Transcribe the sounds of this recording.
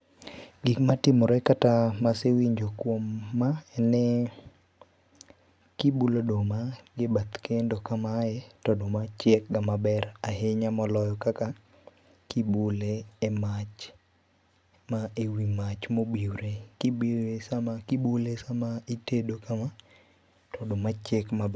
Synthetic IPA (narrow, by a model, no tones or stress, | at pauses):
ɡikmatɪmɔɾɛkatamasewiɲd͡ʒokwomːaɛnɛ | kibulodomaɡɪbat̪kʰendokamajɛtɔdomat͡ʃɛk̚ɡamabɛɾaɦeɲamɔlɔjɔkaka | kibuleɛmat͡ʃ | maewimat͡ʃmobiwɾekibiesamakibulesamaitedokama | tɔdomat͡ʃɛkmabɛ